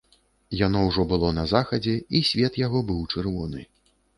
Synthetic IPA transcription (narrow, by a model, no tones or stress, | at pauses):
janɔwʐɔbɨlˠɔnɐzaxɐd͡zʲɛisʲvʲɛt̪jaɣɔbɨwt͡ʂɨrvɔnɨ̰